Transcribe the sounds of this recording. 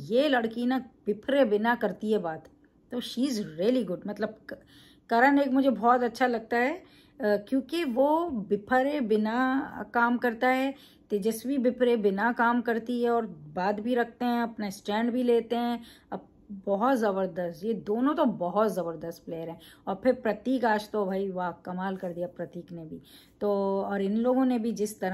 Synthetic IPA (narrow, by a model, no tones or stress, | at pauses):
jelɐɽkinab̥ɪpʰɾebɪnakɐɾt̪iɦɛbaːd̪ː | oːʃiːzɾiəliɡʊɖmɐt̪ləb̚ | kɐɾəneːkmʊd͡ʒʱebɔːt̪ɐtːʃʰalɐɡ̚t̪aɦɛː | kjõːkeʋobɪpʰəɾebɪnakaːmkɐɾt̪aɦɛ | t̪ed͡ʒɐsbibɪpʰɾebɪnakaːmkɐɾt̪iɦɛɔːɾbaːd̪bʱiɾɐk̚ʰt̪eɦɛ̃ɐpnaɪsʈɛ̃ːɳɖbʱileːt̪eɦɛ̃ɐb̚ | bɔɦɔt̪zɐβəɾd̪əstjed̪oːnõt̪obɔɦɔt̪zɐbəɾd̪əst̪̚pleːəɾɦɛ̃ɔːɾpʰɪɾpɾɐt̪iːkaːd͡ʒt̪obʱaːiʋakɐmaːlkɐɾd̪ijapɾɐt̪iːknebʱiː | t̪oːɔːɾɪnloːɡõnebʱid͡ʒɪst̪ɐɾ